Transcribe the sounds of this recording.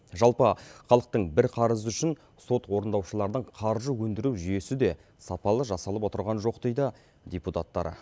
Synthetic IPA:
ʒɑlˠpəχɑlˠəq̚t̪əɴbɪɾqʰɑɾəzəʏʃɪn | so̞t̪wo̞ɾənd̪ɑwʃəlˠɑɾəd̪əɴqʰɑɾʒəwɵnd̪ɪɾuwʒʏje̞sɪd̪e̞ | sɑpɑlˠəʒɑsɑlˠəpwo̞t̪əɾʁɑnʒo̞qd̪ejd̪ə | d̪ʲeput̪at̪ːɑ̰ɾə̰

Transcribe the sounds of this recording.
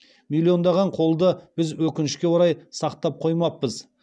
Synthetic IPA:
milʲːio̞nd̪ɑʁɑɴqʰo̞lˠd̪əb̥ɪzwɵkʲɪnɪʃkʲe̞woɾɑjsɑqt̪ɑp̚qʰo̞jmɑp̚ːəz

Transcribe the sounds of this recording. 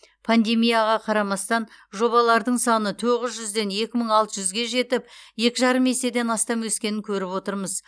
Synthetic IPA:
pʰand̪e̞mijaʁɑqʰɑɾɑmɑst̪ɑnʒo̞βɑlˠɑɾd̪əɴsɑnət̪ʰoʁɪzʒʏzd̪e̞nje̞kʲɪməɴɑlˠt̪əʒʏzɡʲe̞ʒe̞t̪ɪp̚je̞kʲɪʒɑɾəme̞se̞d̪e̞nɑst̪ɑmwɵskʲe̞nɪŋkʲʰɵɾɪpwo̞t̪əɾməz

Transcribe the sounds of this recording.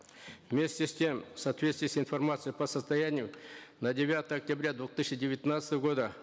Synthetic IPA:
vmʲe̞sʲtʲɪsʲtʲe̞msɐt̪vʲest̪vɪjsʲinformat̪sɨjəpəsəst̪ɐjanʲɪjʊnɐdʲɪvʲat̪əjəɐk̚tʲabɾʲad̪vot̪ɨɕədʲɪvʲɪt̪nat̪sət̪əvəɡo̞d̪ə

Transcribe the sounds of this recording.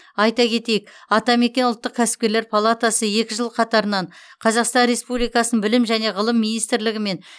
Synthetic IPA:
ɑjt̪ɑkʲʰe̞t̪e̞jɪkɑt̪ɑme̞kʲe̞nʊlˠt̪ːəq̚kʲʰæsɪ̥p̚kʲe̞ɾle̞ɾpʰalˠat̪asəje̞kʲɪʒəlˠqʰɑt̪ɑɾənɑɴqʰɑzɑqst̪ɑnɾe̞spublijkɑsənənbɪlɪmʒæne̞ʁəlˠəmːinijst̪ɾlɪɡʲɪme̞n

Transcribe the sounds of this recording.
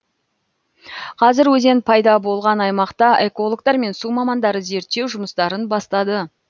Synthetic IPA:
qʰɑzɪɾwɵzenpʰɑjd̪ɑbo̞lˠʁɑnɑjmɑqt̪ɑʔe̞ko̞lˠok̚t̪ɑɾme̞nsumɑmɑnd̪ɑɾəze̞ɾt̪ːe̞wʒʊməst̪ɑɾənbɑst̪ɑd̪ə

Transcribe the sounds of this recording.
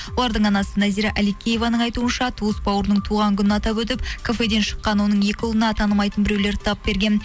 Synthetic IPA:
wwo̞lˠɑɾd̪əɴɑnɑsənæziɾaʔælijkʲːejevɑnəɴɑjt̪uənʃɑt̪ʰuəsbɑwəɾnəɴt̪ʰuʁɑŋkʲʰʏnɪɑt̪ɑpɵt̪̬ɪp̚kʰofe̞d̪e̞nʃə̥qːɑnwo̞nəɴje̞kʲɪulˠənɑt̪ʰɑnəmɑjt̪ənbɪɾewle̞ɾt̪ʰɑp̚be̞ɾɡʲe̞n

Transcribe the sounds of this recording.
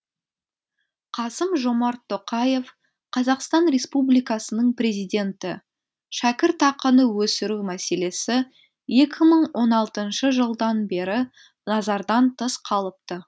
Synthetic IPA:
qʰɑsəmʒo̞mɑɾt̪ʰːo̞qɑje̞f | qʰɑzɑqst̪ɑnɾe̞spublijkɑsənəɴpre̞zijd̪e̞nt̪ɪ | ʃækʲɪɾt̪ʰɑqənəwɵsɪɾumæse̞le̞sɪ | je̞kʲɪməɴwʔo̞nɑlˠt̪ənʃəʒəlˠd̪ɑnbe̞ɾɪ | nɑzɑɾd̪ɑnt̪ʰəsqʰɑlˠəp̚t̪ə

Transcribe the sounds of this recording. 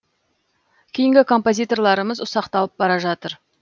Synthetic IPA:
kʲʰejɪŋɡʲɪkʰo̞mpo̞zʲijt̪o̞rlˠɑɾəməzʊsɑqt̪ɑlˠəp̚bɑɾɑʒɑt̪əɾ

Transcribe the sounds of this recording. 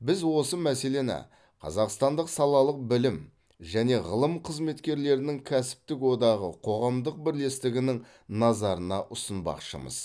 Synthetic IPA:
bɪzwo̞səmæse̞le̞næ̰ | qʰɑ̰zɑqst̪ɑnd̪əqsɑlˠɑlˠəq̚bɪlɪm | ʒæne̞ʁə̰lˠəmqʰəzme̞t̪kʲe̞ɾle̞ɾɪnɪŋkʲʰæsɪ̥p̚t̪ɪkwo̞d̪ɑʁə̰qʰo̞ʁɑmd̪əq̚bɪɾle̞st̪ɪɡʲɪnɪŋ | nɑzɑɾənɑʔʊsənbɑ̰qʃə̰mə̰z

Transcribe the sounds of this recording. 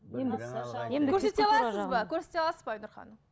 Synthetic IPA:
eeɵɾset̪eɑlˠɑsəzbɑkʲʰɵɾse̞t̪eɑlˠɑsəzbɑjnʊɾχɑ̰nə

